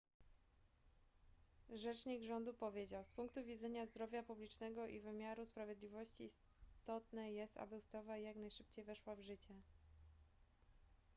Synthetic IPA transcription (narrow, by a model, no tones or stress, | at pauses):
ʐɛt͡ʂɲiɡʐɔnd̪upɔvʲjed͡ʑawspuŋk̚t̪uvʲid̪zɛɲazd̪ɾɔvʲjapublʲit͡ʂnɛɡɔʔḭvɘmʲjaɾuspɾavʲjeɛd̪lʲivɔɕt͡ɕiːs | t̪ɔt̪nɛjɛst̪a̰bɘust̪avajaknajʂɘpt͡ɕejvɛʂwavʐɘt͡ɕɛ